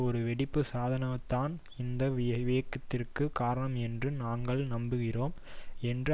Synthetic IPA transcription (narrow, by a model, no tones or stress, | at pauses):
ɔɾɯʋɛɽɪpːɯsaːðɐnɐt̪ːaːn | ɪnd̪ɐʋjɐʋejɐkːɐt̪ːɪrkɯkaːɾɐɳɐmɛndrɯnaːŋɡɐɭnɐmbɯɣɪroːmɛndrɯ